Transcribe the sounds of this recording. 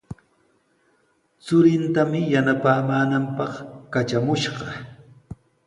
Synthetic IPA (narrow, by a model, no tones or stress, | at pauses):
t͡sʊɾɪnt̪amɪjanapaːmaːnampɑχkat͡ʃamʊʃɢɑ